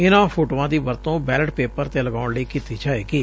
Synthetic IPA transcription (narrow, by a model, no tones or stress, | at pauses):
ɪnãːpʰoːʈoːãːd̪iːʋəɾt̪õːbɛːləɖpeːpəɾt̪eːləɡaːʊɳleiːkiːt̪iːt͡ʃaːeːkiː